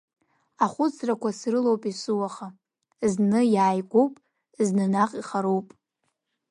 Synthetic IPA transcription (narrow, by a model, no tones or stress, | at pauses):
aχʷʊt͡sʰrakʷasrɨlowpʼisɨwaχa | znɨjaːjɡʷo̞wpʼ | znɨnaqʼiχaɾowpʼ